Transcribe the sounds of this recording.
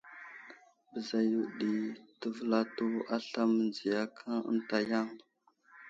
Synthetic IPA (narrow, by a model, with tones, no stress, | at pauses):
bə˨za˨ju˨ɗi˨tə˦və˦la˦to˦a˦ɬa˦mə˨nd͡zi˨ja˦kʰa˦ə̰˦nta˨ja˦˨ŋ